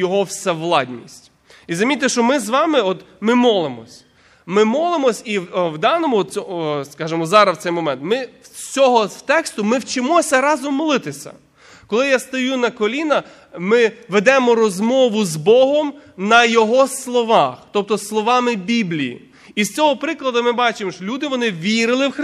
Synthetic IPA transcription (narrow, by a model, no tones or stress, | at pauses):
jɔɦɔwsɛʋlˠɑdʲnʲmʲisʲtʲ | izɐmʲit̪ːeʃt͡ʃɔmɪzʋɑmɪɔt̪mɪmɔlˠemɔ̰sʲ | mɪmɔlˠɪmɔsʲiwwd̪ɑnɔmʊɔt̪ʲɔskɑʒemɔzɑɾɐwt̪sɛjmɔmɛnt̪mɪwt͡sʲɔɦɔwt̪ɛkst̪ʊmɪwt͡ʃɪmɔsʲɐɾɑzɔmːɔlˠɪt̪ɪsʲɐ̰ | kɔlˠɪjast̪ɔjunɐkɔlʲinɐ | mɪʋed̪ɛmɔɾɔzmɔʋʊzbɔɦɔmnɐjɔɦɔslˠɔʋɑxt̪ɔp̚t̪ɔslˠɔʋɑmɪbʲiblʲijḭ | ist͡sʲɔɦɔpɾɪklˠɐd̪ɐmɪbɑt͡ʃɪmɔʃɔlʲud̪ɪʋɔnɪʋʲiɾɪlˠɪwx